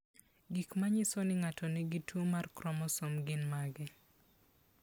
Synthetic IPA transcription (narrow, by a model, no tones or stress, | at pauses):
ɡikmaɲɪsonɪŋatʰɔnɪɡitwomarkɾɔmɔsomɡɪnmaɡɛ